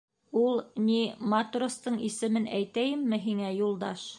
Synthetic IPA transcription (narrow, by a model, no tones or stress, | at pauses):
ulˠnimat̪rost̪ɤɴisɘ̆mɘnæjt̪æjɘmːɘɦiŋæjulˠd̪ɑʃ